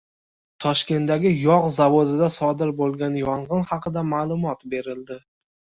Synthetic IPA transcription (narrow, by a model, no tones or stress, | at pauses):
t̪ʰɒʃkʲe̞nt̪d̪aɡʲɪjɒqzavod̪ɪd̪asɒd̪ɪɾbolˠɡʲanjɒɴʁɨnhɑqʰɨd̪amaːlˠʊmɒt̪be̞ɾɪld̪ɪ